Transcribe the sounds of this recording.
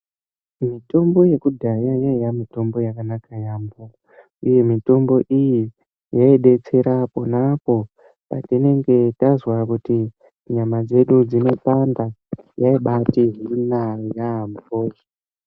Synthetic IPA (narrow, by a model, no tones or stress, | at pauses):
mito̞mbo̞je̞kudʱajajajamito̞mbo̞jakanakajaːmbo | uje̞mito̞mbo̞ʔiji | jaeɗe̞t͡se̞ɾapo̞napo̞ | pa̰tine̞ŋɡe̞tazwakuti | ɲamad͡ze̞ɗud͡zino̞pandajaiɓatiɦunajamoːo